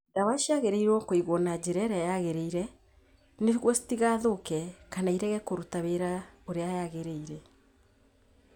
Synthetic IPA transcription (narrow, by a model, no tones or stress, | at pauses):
dawaʃiaɣeɾeiɾwɔkoiɣwɔnad͡ʑeɾɛɾɛajaɣeɾeiɾɛ | neɣwɔsi̥tiɣaðokɛkanaiɾɛɣɛkoɾutaβeɾaoɾeajaɣeɾeiɾɛ